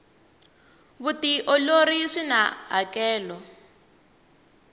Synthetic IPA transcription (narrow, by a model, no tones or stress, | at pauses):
βutiʔɔloɾiʂina̰ɦakɛːlɔ